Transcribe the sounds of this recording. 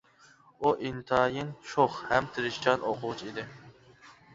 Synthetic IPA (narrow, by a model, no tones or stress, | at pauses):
uʔint̪ʰɑjɪnʃʰoχhæmt̪ʰɨɾɪʃt͡ʃʰɑnʔoqʰʊʁʊt͡ʃʰid̪ɪ